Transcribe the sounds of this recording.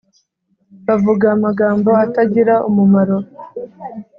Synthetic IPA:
βavuɡaːmaɡaːmbo̞ataɟiɾaumumaɾo̞

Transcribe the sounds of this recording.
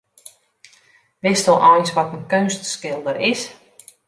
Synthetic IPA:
ʋɪstɔlˠʔɔjnsʋɔtənkønstskɪlˠdəɾɪs

